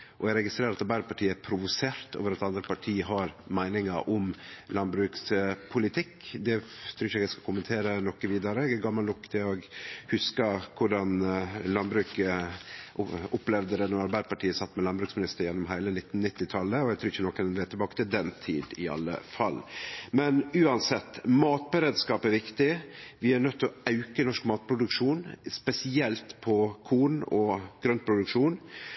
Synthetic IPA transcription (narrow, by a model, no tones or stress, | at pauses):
ʔɔæɡɾɛɡɪst̪ɾeːɾɑt̪ɑɾbæɪpʰɑʈʰiːəæpʰɾʊʋʊseːɾt̪o̰ːʋəɾɑt̪ɑnd̪ɾəpɑʈʰiːəɦɑɾmæɪnɪŋɑʔɔmlɑnbɾʉːkspʰʊlɪt̪ʰɪkːd̪ɛt̪ʰɾʉːɾəɛɡæɪskɑkʰʊmənt̪ʰeːɾənɔkːəʋiːd̪ɑɾəɛɡæɡɑmːɑlɔkːt̪ʰəoɡhʉskɑkʰʊɖɑnlɑnbɾʉːk | ɔplɛʋd̪əɾɛnɔmɑɾbæɪd̪pʰɑʈʰiːəsɑt̪ːmɛlɑnbɾʉːksmɪnɪst̪əɾjɛnːɔmɦæɪlənɪt̪ːnnɪt̪ːɪt̪ʰɑlːəɔæt̪ʰɾʉːɪçːənɔkːənɛnʋeːt̪ɪlbɑːkə̥t̪ʰɪld̪ɛnt̪ʰiːd̪ɪɑ̰lːə̰fɑlːmɛnʉːɑnsɛt̪ːmɑːt̪̚bɛɾeːd̪skɑːpæɾʋɪkt̪ɪʋɪæɾnœt̪ʰːɪɔɑʉkənɔʂkmɑːt̪̚pʰɾʊd̪ʉkʂuːnspɛsɪɛlt̪pʰɔkʰuːnɔɡ̥ɾœnpʰɾʊd̪ʉkʂuːn